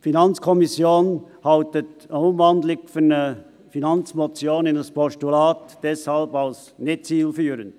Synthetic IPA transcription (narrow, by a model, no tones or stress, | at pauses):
finɑnt͡skʰɔmisjoːnhɑltətəʊmvɑndlɪɡfynə | finɑnt͡smɔt͡sjoːnɪndɑspʰɔʃtulaːtd̥ɛshɑlbɑls | nɪt͡siːlfyːɾənd